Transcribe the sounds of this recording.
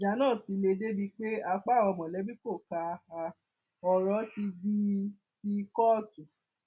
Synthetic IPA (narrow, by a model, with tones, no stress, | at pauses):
d͡ʒa˨˦nãː˦˨si˨˧˦le˧de˦bi˧k͡pe˦a˧k͡pa˦˨wɔ˧˨mɔ̃˨lɛ˨˦bi˦ko˦˨ka˧ha˧ | ɔ˧ɾɔ˦ti˧di˦ | ti˦˧kɔ˦˨tu˨